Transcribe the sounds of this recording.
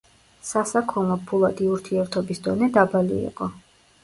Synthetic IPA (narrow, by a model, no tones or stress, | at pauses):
sasakʰɔlˠɔpʰulˠad̪iuɾt̪ʰiɛɾt̪ʰɔbisd̪ɔnɛd̪abalḭḭqʼɔ